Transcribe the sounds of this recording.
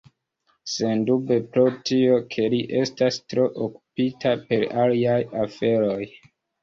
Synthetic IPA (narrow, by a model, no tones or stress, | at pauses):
se̞ndube̞pɾotio̞kʰe̞liʔe̞stastɾo̞ʔoku̥pitape̞ɾaliajafe̞ɾo̞j